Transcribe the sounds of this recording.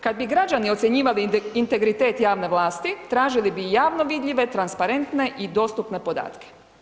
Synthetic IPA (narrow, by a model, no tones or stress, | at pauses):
kad̪̚biɡɾad͡ʒanio̞t̪sje̞ɲiːʋaliint̪e̞ɡɾit̪e̞ːt̪jaːʋne̞ʋlaːst̪it̪ɾaːʒilibijaːʋno̞ʋid̪ʎʲiʋe̞t̪ɾanspaɾe̞nt̪ne̞ʔid̪o̞ːst̪upne̞po̞d̪a̰ːt̪ke̥